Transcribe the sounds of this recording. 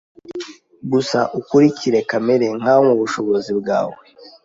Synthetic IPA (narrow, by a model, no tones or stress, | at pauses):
ɡusaʔukuɾicʰiɾe̞kameɾeŋ̥aomuβuʃo̞βo̞zibɡaːwe